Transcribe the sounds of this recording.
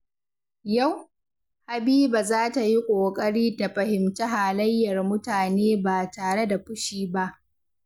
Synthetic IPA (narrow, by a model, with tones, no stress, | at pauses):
ja˦˨w | ha˨biː˦ba˨zaː˦ta˨ji˦kʷʼoː˨kʼɐ˦ɽiː˦da˨ɸɐ˨hɪ˨mtɐ˦ɦaː˨lɐ˦jːɐ˨rmʊ˦taː˨neː˦baː˨taː˨ɽe˦da˨ɸʊ˦ʃiː˦ba˦ʔ